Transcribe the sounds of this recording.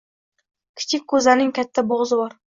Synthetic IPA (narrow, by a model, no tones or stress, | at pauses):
kʲʰɪ̥t͡ʃʰɪk̚ʲʰːɵzanɪŋkʲʰat̪ʰːaboʁzɪbɒɾ